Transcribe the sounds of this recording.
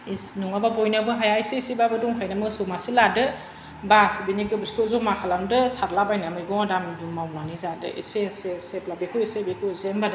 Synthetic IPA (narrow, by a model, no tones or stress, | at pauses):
isnuŋababɔjnabɯɦajaisesibabɯduŋkʰajnamɯsɯmasiladɯ | basbiniɡɯbɯskʰɯzɔmakʰalamdɯsaɾlabajnamɯjɡɔŋadamdumawnanizadɯ̰ḭseaseseplabekʰujisebekʰɯzembadɯ